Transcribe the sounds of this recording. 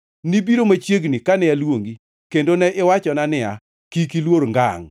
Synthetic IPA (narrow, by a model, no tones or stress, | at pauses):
nibiɾomat͡ʃjeɡnikanɛalwoŋɡi | kendonɛʔɪwat͡ʃɔnanɪa̰ | kikilwoɾŋɡa̰ŋ